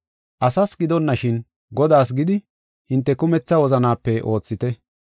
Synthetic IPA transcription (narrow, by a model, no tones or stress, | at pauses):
ʔɐsɐsɡɪd̪ɔnːɐʃɪn | ɡɔd̪aːs̬ɡɪd̪ɪ | hɪnt̪ːɛkʊmɛt͡sːɐwɔzɐnaːpːɛʔo̞ːt͡sːɪt̪ɛ